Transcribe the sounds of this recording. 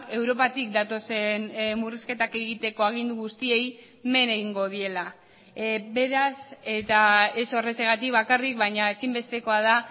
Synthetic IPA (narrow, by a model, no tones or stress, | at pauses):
e̞wɾo̞pat̪ikd̪at̪o̞se̞nmuriske̞t̪ake̞ɣit̪e̞ko̞aɣ̞ind̪uɣust̪ie̞j | me̞ne̞ɣiŋɡo̞ð̞ie̞la | be̞ɾase̞t̪ae̞so̞reseɣat̪ikβakarikβajɲae̞simbe̞st̪e̞ko̞að̞a